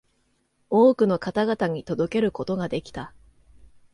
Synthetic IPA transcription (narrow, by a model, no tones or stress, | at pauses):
oːkɯ̟no̞kat̪aɡat̪aɲ̟it̪o̞d̪o̞ke̞ɾɯ̟ko̞t̪o̞ɡad̪e̞kʲi̥t̪a